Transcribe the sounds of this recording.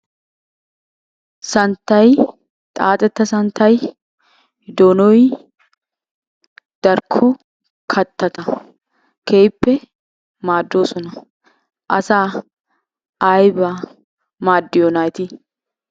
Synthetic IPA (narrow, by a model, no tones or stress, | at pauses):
sɐnt̪ɐj | t̪ʼaːt̪ʼɛt̪ːɐsɐnt̪ɐj | d̪oːnɔj | d̪̥ɐɾkʰɔ | kʰɐt̪ːɐt̪ɐ | kʰeːjpːɛ | maːd̪ːoːsɔnɐ | ʔɐ̰saː | jbɐ | maːd̪ːɪjɔnaːjt̪i